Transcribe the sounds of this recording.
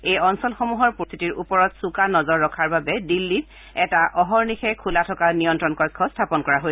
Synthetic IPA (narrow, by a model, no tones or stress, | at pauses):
ejɔnsɔlxɔmuɦɔɹpɔst̪ʰitiɹupɔɹɔtsukanɔzɔɹːɔkʰaɹbabɛdilːit | ɛtaʔɔɦɔɹnixɛkʰulatʰɔkanijɔntɹɔnkɔkʰːɔstʰapɔnkɔɹaɦoj